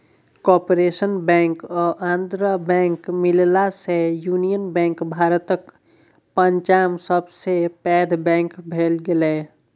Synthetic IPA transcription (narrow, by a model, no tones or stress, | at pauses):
kɔːpɾesənbɛ̃ːŋkɔʔãːnd̪ɾəbɛ̃ːŋkmɪllasejuːnijənbɛ̃ːŋkbʱaːɾət̪ək | pəɲt͡ʃaːmsəbsepɛːd̪ʱbɛ̃ːŋkbʱeːlɡele